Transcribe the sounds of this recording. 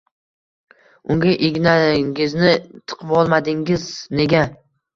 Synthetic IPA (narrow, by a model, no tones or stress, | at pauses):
ʊŋɡʲaʔeɡʲnaŋɡʲɪznɪt̪ʰɨ̥qʰɨpɒlˠmad̪ɪŋʲɪzne̞ɡʲa